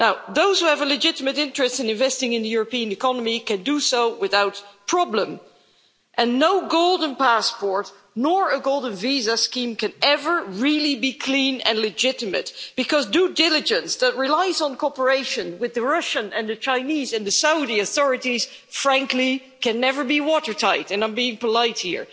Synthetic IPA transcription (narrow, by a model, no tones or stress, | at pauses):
naʊðoʊz̥huɨvəlɨd͡ʒɪɾɨmɨɾɪ̃nt͡ʃɹ̥ɨstsɨ̃nɨ̃ɱvɛstɪ̃ŋɨ̃nðɨjʊɹəpĩɨ̃nɨkʰɑnəmikɨ̃ndɨsoʊwɪθaʊt̚pʰɹ̥ɑblə̃m | ʔɨ̃nːoʊɡoʊlˠdⁿn̩pæspɔɹtⁿ | nɔɹəɡoʊlˠdən̩vizəskĩmkɨ̃nɛvə˞ɹɪlˠibikʰl̥ĩnɨ̰̃nlɨd͡ʒɪɾɨmɨ̰t̚b̥ɨkʰʌzdudɪlˠɨd͡ʒɨ̃nsðət̚ɹilaɪzn̩kʰɔpə˞eɪʃɨ̃nwɨðɨɹʌʃɨ̃nɨ̃nðɨt͡ʃãɪ̃nizɨ̃nðɨsaʊɾiɨθɔɹɨɾiz̥ | fɹæ̃ŋkli | kʰɨ̃nːɛvə˞biwɔɾə˞tʰaɪtɨ̃nãɪ̃mbiɪ̃ŋpəlaɪt̚hḭɹ